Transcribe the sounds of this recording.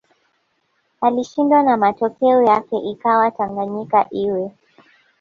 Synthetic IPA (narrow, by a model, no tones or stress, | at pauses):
aliʃindwanamatɔkɛɔjakɛʔikawataŋɡaɲikaʔiwɛ